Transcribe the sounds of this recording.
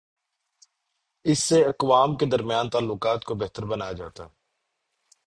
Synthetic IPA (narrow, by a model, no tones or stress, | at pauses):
ɪsːeɐkʋaːmked̪ɐɾmɪjaːnt̪aːlːʊkaːt̪kobɛɦt̪əɾbɐnaːjad͡ʒa̰ːt̪a̰